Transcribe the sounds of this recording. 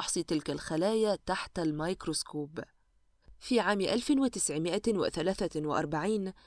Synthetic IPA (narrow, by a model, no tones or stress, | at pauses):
ħsˤit̪ɪlkalxalaːjat̪aħt̪almajkɾoskuːb | fiʕaːmʔalfɪnwɪt̪ɪsʕɪmɪʔawɪ̰θalaːθawɪʔɑ̰ɾˤbaʕiːn